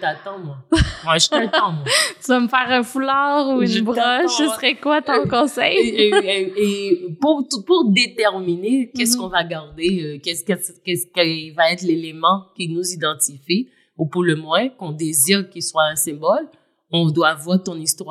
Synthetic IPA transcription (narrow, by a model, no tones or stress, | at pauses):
ʒʒt̪at̪ɑ̃mwawɛʒətat̪ɑ̃mwat̪yvaməfɛʁɛ̃fulaʁuynbʁɔʃʃsəsʁɛkwat̪ɔ̃kɔ̃sɛ̰j | epuʁt̪upuʁd̪et̪ɛʁminekɛskɔ̃vaɡaʁd̪eøkɛskɛskɛskɛivaɛt̪χlelemɑ̃kʲinuzid̪ɑ̃t̪ifi | upuʁləmwɛ̃kɔ̃d̪eziːʁkʲiswaɛ̃sɛ̃bɔl | ɔ̃d̪wavwaʁt̪ɔ̃nist̪wa